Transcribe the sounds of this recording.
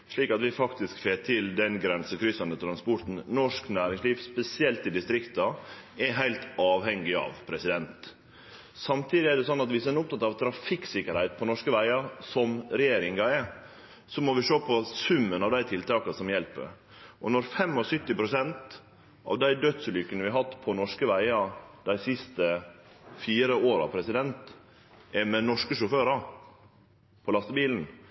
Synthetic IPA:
ʂɭiːkɑt̪ʋɪfɑkt̪ɪskfeːt̪ʰɪld̪ɛnɡɾɛnsəkʰɾʏsɑnd̪ət̪ʰɾɑnspɔɾt̪n̩nɔʂknæːɾɪŋsliːʋspɛsɪɛlt̪ɪd̪ɪst̪ɾɪkt̪ɑɛɦæɪlt̪ɑːʋhɛŋɡɪɑ̰ʋpʰɾɛsɪd̪ɛnt̪ | sɑmt̪ʰiːd̪ɪɛɖɛsɔnːɑt̪ʋɪsd̪ɛnʊp̚t̪ʰɑt̪ɑʋt̪ʰɾɑfɪksɪkəɾhæɪt̪̚pʰɔnɔʂkəʋæɪɑɾsɔmɾɛjeːɾɪŋɑɛ | sɔmɔʋɪʂoːpʰɔsʉmːənɑʋd̪æɪt̪ʰɪlt̪ʰɑːkɑsɔmjɛlpə̰ɾ | ʔɔnɔɾfɛmːɔsʏt̪ːɪpʰɾʊsɛnt̪ | ʔɑ̰ʋd̪æɪd̪œt̪sʉlʏkːənəʋɪɦɑt̪ːpʰɔnɔʂkəʋæɪɑd̪̥æɪsɪst̪ə | fiːɾəoːɾɑ̰pʰɾɛsɪd̪ɛnt̪ | ʔɛmɛnɔʂkəʂʊføːɾɑ | pʰɔlɑst̪əbiːln̩

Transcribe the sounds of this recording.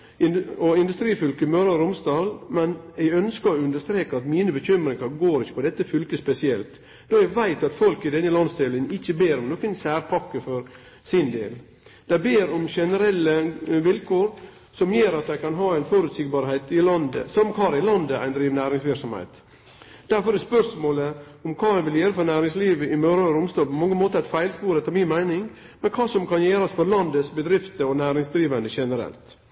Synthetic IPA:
ɪɔɪnd̪ʉst̪ɾiːfʏlkəmœɾɑɾʊmsd̪ɑːlmɛnɛɡœnskəɔʉnd̪əʂt̪ɾeːkəɾɑt̪miːnəbəçʏmɾɪŋɑɾɡoːɾɪçːə̥pʰɔd̪ɛt̪ːəfʏlkəspɛsɪɛlt̪ | d̪̥oːɛɡʋæɪt̪ɑt̪fɔlkɪd̪ɛnːəlɑnst̪ɪlɪŋn̩ɪçːəbeːɾɔmnoːkənsæːɾpʰɑkːəfɔɾ | sɪnd̪ḛːl | d̪̥æɪbeːɾɔmʃɛnəɾɛlːəʋɪlkʰoːɾ | sɔmjeːɾɑt̪̚d̪æɪkʰɑnɦɑːæɪnfɔɾʉt̪siːɡbɑːɾhɛɪt̪ɪlɑnd̪ə̰sɔmkhɑːɾɪlɑnd̪əʔæ̰ɪnd̪ɾiːʋnæːɾɪŋsʋɪɾksɔmhɛ̰ɪt̪ | d̪̥æɾfɔɾdɛspœʂmoːlə | ɔmkʰɑːæɪʋɪljøːɾəfɔɾnæːɾɪŋsliːʋəɪmøːɾɑɾʊmst̪oːpʰɔmɑŋːəmoːt̪əɾæt̪fæɪlspuːɾɛt̪ɔminmæɪnɪŋ | mɛnkʰɑːsɔmkɑnjeːɾɑsfɔɾlɑnd̪əsbəd̪ɾɪft̪əɔnæːɾɪŋsd̪ɾiːʋənd̪əʃɛnəɾɛ̰lt̪

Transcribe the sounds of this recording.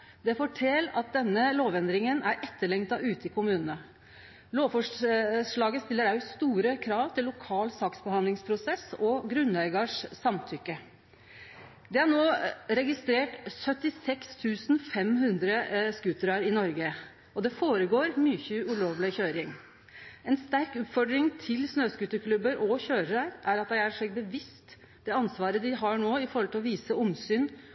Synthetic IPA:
d̪ɛfɔʈʰɛlɑt̪̚d̪ɛnːəloːʋɛnd̪ɾɪŋənæɾʔɛt̪ːəɭɛŋt̪ɑʔʉːt̪əɪkʰʊmʉːnənə | loːʋfɔʂʂɭɑːɡəst̪ɪlːəɾæʉst̪uːɾəkʰɾɑːʋt̪ʰɪlːʊkʰɑːlsɑːksbəhɑnd̪lɪŋspʰɾʊsɛsɔɡɾʉnæɪɡɑʂsɑmt̪ʰʏkːə | d̪ɛæɳoːɾɛɡɪst̪ɾeːʈsœt̪ɪsɛkst̪ʰʉːsn̩fɛmɦʉnd̪ɾəskʉːt̪əɾɑɾɪnɔɾɡə | ɔd̪ɛfoːɾəɡoːɾmyːçəʉɭoːʋlɪçøːɾɪŋ | ɛnst̪æɾkʉt̪fɔɖɾɪŋt̪ʰɪlsnøːskʉt̪əkʰlʉbəɾʔɔçøːɾəɾəɾʔæɾɑt̪̚d̪æɪæʂɛɡ̚bəʋɪst̪ | d̪̥ɛɑnsʋɑːɾəd̪ɪɦɑɳoːɪfɔɾhɔlt̪ʰɪlɔʋiːsəʊmsyːn

